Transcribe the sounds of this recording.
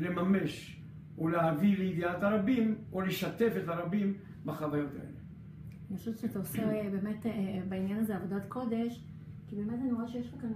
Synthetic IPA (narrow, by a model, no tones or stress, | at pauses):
le̞mame̞ʃ | oleavileid̪iataʁabim | oleʃate̞fetaʁabim | baχavajo̞ta̰e̞̰le | niχoʃutʃeataosebe̞metbainjanazeavodatko̞de̞ʃ | kibe̞ːmetanoʁaʃejeʃpakan